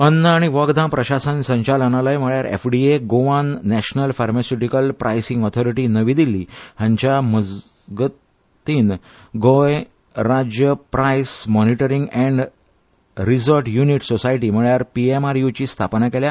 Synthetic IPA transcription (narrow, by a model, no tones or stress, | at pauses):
ənːəaɽ̃iʋəɡd̪ãmpɾəɕasənsə̃ɲt͡ɕalənalajm̤əɭjaɾḛfɖieɡoʋanːæɕnəlfaɾmasjuʈikəlpɾajsĩŋɡɔt̪ʰɔɾiʈinəʋiːd̪ilːiːɦãɲt͡ɕjaməd͡z | ɡət | t̪iːn | ɡoj | ɾad͡ʑjəpɾajsmɔniʈəɾiŋɡɛ̃ɳɖ | ɾizəɾʈjuniʈsosajʈiːm̤əɭjaɾpiemaɾjut͡ɕiːst̪ʰapnakelja